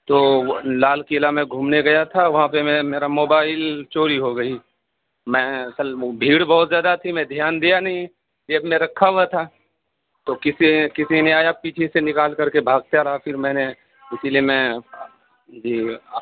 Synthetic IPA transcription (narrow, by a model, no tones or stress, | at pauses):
t̪oːlaːlkiːlamẽɡʱuːmneɡɐjat̪ʰaʋɐɦãpemɛ̃meːɾamoːbaːɪlt͡ʃoːɾiɦoɡɐi | mɛ̃ɐsəlbʱiːɽbɔɦɔt̪zjaːd̪at̪ʰimɛ̃d̪ʱijaːnd̪ijanɐɦĩ | d͡ʒɐbmẽɾɐkʰːaɦuat̪ʰa | t̪okɪsikɪsineaːjapiːt͡ʃʰesenɪkaːlkɐɾkebʱaːɡ̚t̪jaɾaafʰɪɾmɛ̃ːne | ɪsiliemɛ̃ | d͡ʒiː